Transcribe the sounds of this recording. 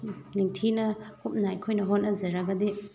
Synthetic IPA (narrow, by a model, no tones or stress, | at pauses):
niŋt̪ʰinakup̚najkʰɔjnaɦɔnazɯɾaɡad̪i